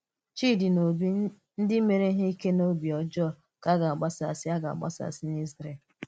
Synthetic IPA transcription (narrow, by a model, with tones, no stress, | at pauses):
t͡ʃi˦˨di˨no˨bi˦ | n̩˦dɪ˦me˨ɾe˦ɦe˦i˦ke˦no˦bi˨ɔ˨d͡ʒɔ˦˨ | ka˦ɡa˨a˨ɡ͡ba˦sa̰˨sɪ˦a˦ɡa̰˨a̰˨ɡ͡ba̰˦sa̰˨sɪ˦ni˦zɾe˨